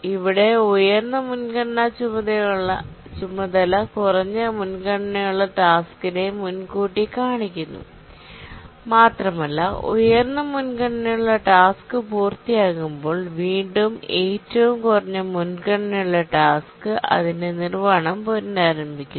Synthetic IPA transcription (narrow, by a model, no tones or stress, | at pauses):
iʋiɽe̞ojɐrnːɐmunkɐɳnɐt͡ɕumːɐðɐjuɭːɐ | t͡ɕumːɐðɐlɐkurɐɲːɨmunkɐɳɐnɐjuɭːɐʈaːskːine̞munkuːʈːikaːɳikʲːunːṵ | maːt̪rɐmɐlːɐo̰jɐrnːɐmunkɐɳnɐjuɭːɐʈaːskɨpuːrt̪ijaːɣumbo̞ːɭʋiːɳɖume̞ːtːɐʋumkurɐɲːɐmunkɐɳnɐjuɭːɐʈaːskɨʔɐ̰ðindenirʋaːɳɐmpoɾindaːɾɐmbʱikʲːu